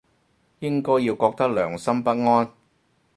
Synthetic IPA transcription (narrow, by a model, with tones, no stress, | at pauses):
jɪ˥ŋkɔː˥jiː˧wkɔː˧k̚t̪ɐ˥k̚lœː˨˩ŋsɐ˥mpɐ˥t̚ŋɔː˥n